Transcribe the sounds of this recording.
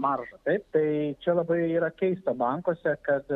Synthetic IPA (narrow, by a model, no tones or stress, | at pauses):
mɐrʒɐt̪ɐɪp̚t̪ɐɪt͡ʃʲɛlˠɐbɐɪiːɾɐkʲɛɪst̪oːbɐŋkoːsʲɛkɐt̪